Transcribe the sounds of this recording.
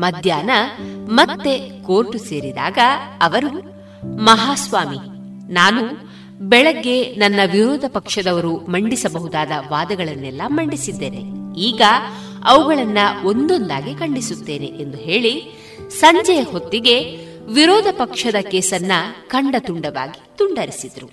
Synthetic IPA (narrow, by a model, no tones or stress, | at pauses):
mɐd̪ʱjaːnɐmɐt̪ːe̞ko̞ːɾʈuse̞ːɾid̪a̰ːɡɐɐʋɐɾu | mɐɦaːsʋaːmi | naːnu | bɛɭɐɡːe̞nɐnːɐʋiɾɔːd̪ʱɐpɐkʂɐd̪ɐʋɐɾumɐɳɖisɐbɐɦud̪aːd̪ɐʋaːd̪ɐɡɐɭɐnːɛlːɐmɐɳɖisid̪ːeːnḛiːɡɐ | ɐʋuɡɐɭɐnːɐo̞nd̪o̞nd̪a̰ːɡikɐɳɖisut̪ːe̞ːneʔend̪uɦe̞ːɭi | sɐɲd͡ʒɐjɐho̞t̪ːiɡe̞ | ʋiɾɔːd̪ʱɐpɐkʂɐd̪ɐkeːsɐnːɐkɐɳɖɐt̪uɳɖɐʋa̰ːɡi̥t̪uɳɖɐɾisid̪ɾu